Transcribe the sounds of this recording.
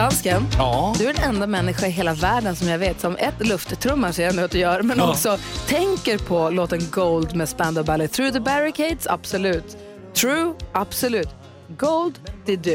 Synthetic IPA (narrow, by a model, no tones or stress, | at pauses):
askɛnːd̪ɵæɾɛnɛnd̪amɛnːɪɧaɪɦeːlavæːɖənsɔmjaveːt̪sɔmɛt̪lɵft̪t̪ʰːɾɵmːaʂɛɛnət̪̚d̪ɵjœːɾmɛnɔksɔt̪ʰɛŋkəɾpʰɔloːt̪ənɡoʊld̪mɛspænd̪ʊbælɪθɾʉːðəbæɾɪkʰeɪd̪sa̰b̥sɔlʉ̟ːt̪ʰː | ɾuːab̥sɔlʉ̟ːt̪ | ɡoʊld̪d̪̥ɪd̪ʉ